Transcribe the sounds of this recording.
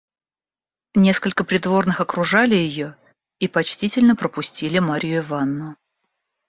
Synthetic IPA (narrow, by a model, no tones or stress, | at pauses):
nʲe̞skəlʲkəpɾʲɪd̪vo̞rnɨxɐkɾʊʐalʲɪjɪjo̞ | ipɐt͡ɕtʲitʲɪlʲnəpɾəpʊsʲtʲilʲɪmaɾʲjʊɪvanːʊ